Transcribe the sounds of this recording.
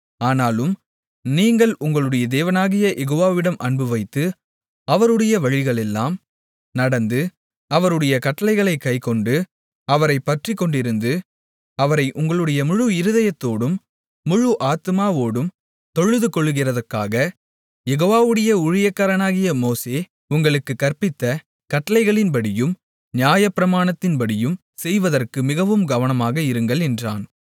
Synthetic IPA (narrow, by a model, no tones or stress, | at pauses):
aːnaːlɯm | niːŋɡɐɭʊŋɡɐɭɯɽɐjɐd̪eːʋɐnaːɣɪjɐjʔɛɣoːʋaːʋɪɽɐmʔɐɳbɯʋɐɪt̪ːɯ | ɐʋɐɾɯɽɐjɐʋɐɻɪɣɐɭɛlːaːm | nɐɽɐnd̪ɯ | ɐʋɐɾɯɽɐjɐkɐʈːɐlɐɪɣɐɭɐɪkːɐɪkɔɳɖɯ | ɐʋɐɾɐɪpːɐʈrɪkːɔɳɖɪɾɯnd̪ɯ | ɐʋɐɾɐɪʔʊŋɡɐɭɯɽɐjɐmʊɻuɪɾɯðɐjɐt̪ːoːɽɯmː | ʊɻuʔaːt̪ɯmaːʋoːɽɯm | t̪ɔɻɯðɯkɔɭːɯɣɪrɐðɐrkaːɣɐ | jɛɣoːʋaːʋɯɽɐjɐʊɻɪjɐkːɐːɾɐnaːɣɪjɐmoːseː | ʊŋɡɐɭɯkːɯkːɐrpɪt̪ːɐ | kɐʈːɐlɐɪɣɐɭɪnpɐɽɪjɯm | njaːjɐpːɪɾɐmaːnɐt̪ːɪnpɐɽɪjɯm | sɛjʋɐðɐrkɯmɪɣɐʋɯmɡɐʋɐnɐmaːɣɐɪɾɯŋɡɐɭɛndra̰ːn